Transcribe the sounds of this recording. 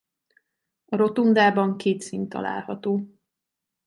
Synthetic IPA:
ɒɾo̞t̪und̪aːbɒŋkeːt̪siːnt̪ːɒ̰la̰ːlhɒt̪oː

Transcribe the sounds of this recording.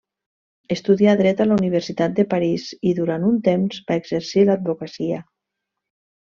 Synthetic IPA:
əst̪uðiaðɾɛt̪alauniβ̞ərsit̪at̪̚d̪əpaɾiziðuɾant̪unt̪emzbaeɡzəɾsilad̪̚bokasiə

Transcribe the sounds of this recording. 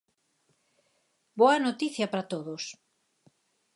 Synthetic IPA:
boɐnot̪iθjɐpɾɐt̪oðos

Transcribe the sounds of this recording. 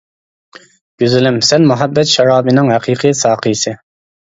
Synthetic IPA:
ɡ̥ʲyzɪlɪmsɛnmuɦɛbːɛt̪ʃɑɾɑːbɨnɪŋɦæqʰiːqʰɨjsɑːqʰɨjsɨ

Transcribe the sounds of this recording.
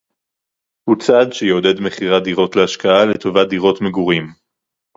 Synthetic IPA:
hut͡sadʃejeode̞dme̞χiʁad̪iʁo̞tleaʃkaale̞to̞vad̪iʁo̞tmeɡuʁim

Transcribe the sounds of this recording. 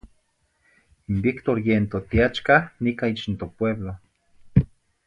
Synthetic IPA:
imbikt̪oɾjent̪ot̪iat͡ʃkanikait͡ʃnt̪opweβlo

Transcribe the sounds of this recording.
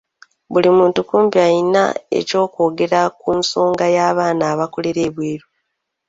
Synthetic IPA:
βulimuːntukuːmpiajina̰ḛco̞ːko̞ːɡe̞ɾakunso̞ːŋɡajaːβaːnaːβako̞le̞ɾe̞ːβweːɾu

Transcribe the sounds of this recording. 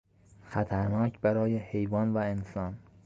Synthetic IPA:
xæt̪ʰæɾnɒːcʰbæɾɒːjehe̞jvɒːnvæensɒːn

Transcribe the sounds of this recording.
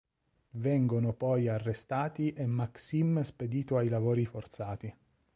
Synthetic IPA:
vɛŋɡonʊpɔjarːest̪aːt̪iʔemːaksimsped̪iːt̪oajlavoːɾifort̪saːt̪i

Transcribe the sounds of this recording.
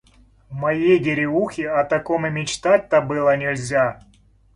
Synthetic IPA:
mɐjejɡʲɪɾʲɪuxʲɪɐt̪ɐkomɨmʲɪt͡ɕt̪at̚ʲt̪ɐbɨlˠɐnʲɪlʲzʲa

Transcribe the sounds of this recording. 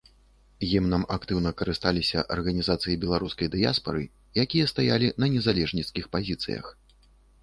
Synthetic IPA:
jimnamakt̪ɨwnɐkɐɾɨst̪alʲisʲɐ̰ʔɐrɣɐnʲizat̪sɨjibʲɛlˠaɾuskɐjd̪ɨja̰spɐ̰ɾɨ̰ | jakʲijɐst̪ajalʲinɐnʲɛzalʲɛʐnʲiskʲixpazʲit̪sɨ̰jɐ̰x

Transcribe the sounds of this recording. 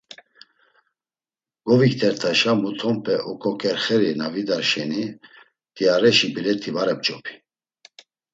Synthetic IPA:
ɡ̥ɔvikt̪ʰɛɾt̪ʰaʃamut̪ʰɔmpʰɛʔɔkʰʼɔkʼɛɾχɛɾinavid̪aɾʃɛni | d̪̥iaɾɛʃibilɛt̪ʰivaɾɛp̚t͡ʃʼɔpʰi̥

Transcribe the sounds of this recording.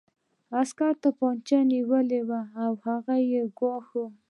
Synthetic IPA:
askaɾt̪apɑnt͡ʃaniwəlewaːwhaɣajeɡwɑxu

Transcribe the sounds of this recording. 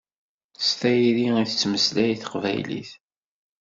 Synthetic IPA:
st̪æjɾiiθət͡sːməslæjθə̥qvæ̰jlḭθ

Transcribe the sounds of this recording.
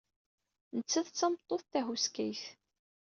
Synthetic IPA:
nət͡sːæðt͡sːɑmt̪ˤːoθθæɦuskæjθ

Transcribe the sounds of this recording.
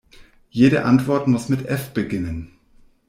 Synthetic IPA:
jeːɾəʔantv̥ɔɐtmʊsmɪtʔɛfb̥əɡɪnən

